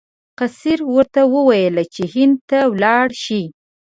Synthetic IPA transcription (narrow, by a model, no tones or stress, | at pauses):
qasiɾwəɾt̪awəwajəlat͡ʃehɪnd̪̚t̪awlɑɽʃi